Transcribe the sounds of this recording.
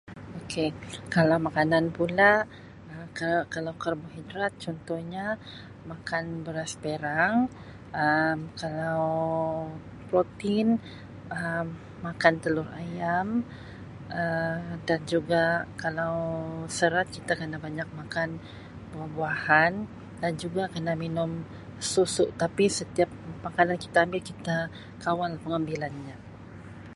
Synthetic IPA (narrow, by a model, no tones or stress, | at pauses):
okʰekalawmakananpula | əkakalawkərboɦidɾat̪̚t͡ʃɔnt̪ɔhɲa | makanbəɾaspeɾaŋ | əmkalaw | pɾot̪in | əmː | akant̪əlʊrajam | ədand͡ʒuɡakalawsəɾat̪̚kit̪akənabaɲak̚makan | buahbuahan | dand͡ʒuɡakənaminʊm | susʊʔt̪apisət̪iap̚makananki̥t̪aːmbɪlkit̪a | kawalahpəŋambilanɲa